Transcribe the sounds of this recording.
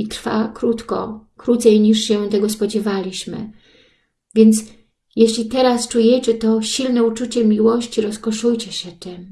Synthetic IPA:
it̪ɾfa̰kɾut̪kɔ̰kɾut̪sɛjɲiʂɕɛt̪ɛɡɔspɔd͡ʑɛvalʲiɕmɘ̰ | vʲjɛnt̪s | jeɕlʲit̪ɛɾast͡ʂujɛt͡ɕɛt̪ɔɕilnɛut͡ʂut͡ɕɛmʲiwɔɕt͡ɕiɾɔskɔʂujt͡ɕɛɕɛt̪ɛm

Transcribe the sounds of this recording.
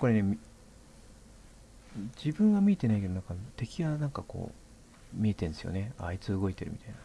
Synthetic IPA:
koɾene̞m | d͡ʑibɯ̟̃ŋɡamʲie̞t̪e̞naike̞d̪onãŋkat̪e̞kʲiɡanãŋkako̞̰ː | mʲie̞t̪ẽnd̪sɨjo̞̰ne̞ait͡sɨɯɡo̞it̪e̞ɾɯ̟mʲi̥t̪aina

